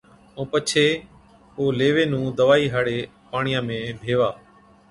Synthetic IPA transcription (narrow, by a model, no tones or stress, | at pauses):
õːpət͡ʃʰeː | oːleːʋeːnũːd̪əʋaːiːɦaːɽeː | paːɳɪjãːmẽːbʱeːʋaː